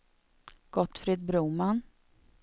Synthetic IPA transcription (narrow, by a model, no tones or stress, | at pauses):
ɡ̥ɔt̪ːfɾɪd̪bɾuːman